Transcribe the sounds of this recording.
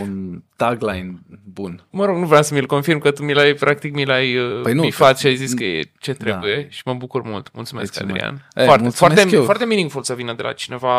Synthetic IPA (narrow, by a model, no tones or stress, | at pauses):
unt̪aɡlajnbunməɾo̞ɡnuvɾeamsəmilko̞nfirmkət̪umilajpɾʔak̚t̪ikmilajəpəjnpifat̪ʃiajziskəjḛt͡ʃe̞t̪ɾebbuje̞ʃi̥məbukurmult̪mult̪sumeska̰d̪ɾɾḭa̰noartesoart̪eefoart̪e̞miniŋfulsəvinəd̪e̞la̰t͡ʃine̞va